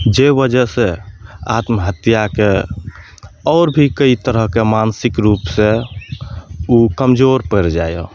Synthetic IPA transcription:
d͡ʒebəd͡ʒəsea̰t̪mɦət̪jake | ɔːɾbʱikəit̪əɾəɦkemansikɾupse | ukəmd͡ʒoɾpəɾd͡ʒajɔ̰

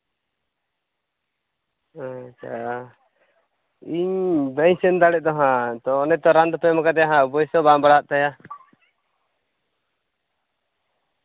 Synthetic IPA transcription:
at͡ʃʰa̰ | iɲbɛɲsɛnd̪aɽɛʔ̚d̪ɔɦãt̪ɔːnɛt̪ɔɾand̪ɔpɛmakad̪ɛjaɦãbɔjsɔbambaɽaɦaʔ̚t̪aja

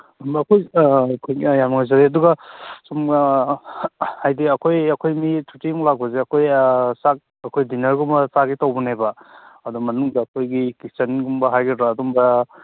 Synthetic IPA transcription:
umbɐɐkʰojkʰojjamŋajzaɾeɐduɡɐsum | hajdiɐkʰojɐkʰojmitʰutiŋlaɡɔzeɐkʰojsak̚ | ɐkʰojdinɐɾɡumbɐsaɡitawbunebɐɐdumɐnuŋdɐɐkʰojɡikisɐnɡumbɐɦajɡedɾaːdumbɐ

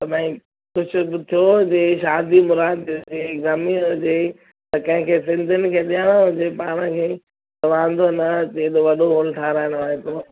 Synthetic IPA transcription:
t̪ɐɓãĩ | kʊd͡ʑʰʱʊ̆bɪt̪ʰijod͡ʑeːʃaːd̪imʊɾaːd̪d͡ʑeɡɐmiɦʊd͡ʑeː | t̪ɐkɐ̃ɦɪ̃kʰeːsɪ̃nd̪ʱʊnɪ̆kʰeːɗijaːɽ̃oɦʊ̃d͡ʑeːpaːɽ̃əkʰeː | t̪ɐʋãːnd̪onɐt̪ed̪oʋɐɗoɦoːlʈʰaːɾaːɪnʋaːɾet̪o

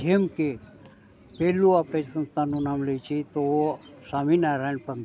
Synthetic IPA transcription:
emke | peluapesə̃nt̪anũnaːmleit͡ʃit̪osaːminaɾaɳpənd̪

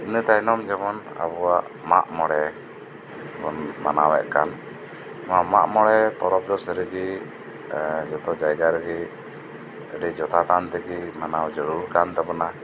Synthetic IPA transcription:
t̪nət̪ajnɔmd͡ʒɛmɔna̰bɔwaʔma̰ʔmɔɽɛ | bɔnmanawɛ̰ʔkan | maʔmaʔmɔɽɛp̪ɔɾɔp̚d̪ɔsɾiɡi | d͡ʒɔt̪ɔd͡ʒajɡaɾɛɡɛ | əɖɛd͡ʒɔt̪at̪ant̪ɛɡimanawd͡ʒəɾuɾkant̪ɛbɔna

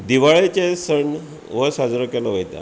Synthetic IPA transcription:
d̪iʋaɭet͡ɕesəɳ | ʋəsad͡zɾəkɛləʋəjt̪a̰

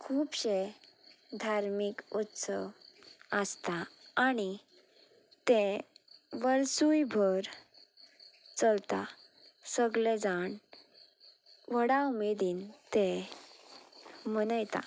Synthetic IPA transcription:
kʰuːpɕe | d̪ʱaɾmikut̪səʋəst̪aaɽ̃i | t̪ẽ | ʋəɾsujbʱəɾ | t͡səlt̪a̰ | səɡled͡zaɳ | ʋəɽawmed̪iːnt̪e | mənəjt̪a̰

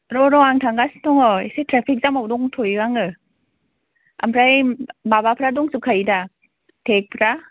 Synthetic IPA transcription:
ɾɔɾɔaŋtʰaŋɡastɔŋɔsejtʰɾapʰik̚zamawdɔŋtʰojwaŋɯ | a̰mpʰɾajbabapʰɾadɔŋsɯkʰajida | tʰek̚pʰɾa

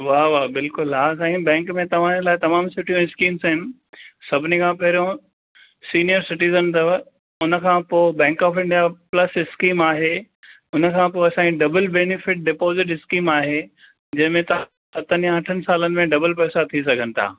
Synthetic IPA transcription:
ʋaːʋaːbɪlkʊlɦaːsãːĩbɛ̃ːŋkmẽt̪ɐʋ̤ãd͡ʑelaːɪt̪ɐmaːmsʊʈʰijõɪskiːmsaɦɪnɪ̆ | sɐbʱɪnikʰãːpɐɦɪɾijõ | siːnijəɾsɪʈiːzənt̪ɐ | ʊnə̆kʰãːpoːbɛ̃ːŋkaːfɪ̃ɳɖijaplɐsɪskiːmaːɦeː | ʊnə̆kʰãːpoɐsãːiɖɐbəlbeːnɪfɪʈ̚ɖɪpoːzɪʈɪskiːmaːɦe | d͡ʑɐ̃ɦɪ̃mẽt̪ɐ | sɐt̪ʰənjãɐʈʰənɪ̆saːlənɪ̆mẽɖɐbəlpɛːsat̪ʰis̬ɐɡʱənɪ̆t̪ʰa̰ː

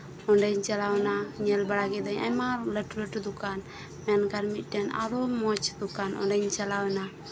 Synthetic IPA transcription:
ɔnɖɛɲt͡ʃalawɛnaɲɛlbaɽaɡɛd̪aɲa̰maləʈuləʈud̪ukan | mɛnkaɾmit̪̚ˀdɛna̰ɾɔmɔt͡ʃd̪ukanʔɔ̰nɖɛɲt͡ʃalawɛna

